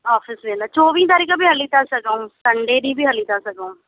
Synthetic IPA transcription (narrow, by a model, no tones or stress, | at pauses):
ɔːpʰɪsʋɪlat͡ʃoːʋĩːt̪̬aːɾiːkãbiːɦəliːt̪asəkaũːsəɳɖeːd̪iːbʱiːɦəliːt̪asəkõː